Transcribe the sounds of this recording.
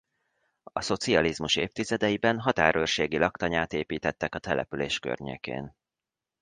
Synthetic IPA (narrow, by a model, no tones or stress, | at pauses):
ɒso̞t̪siɒlizmuʃeːft̪izɛd̪ɛjibɛnɦɒt̪aːɾørʃeːɡilɒkt̪ɒɲaːt̪eːpiːt̪ɛt̪ːɛkɒt̪ɛlɛ̰pyleːʃkø̰rɲḛːkḛːn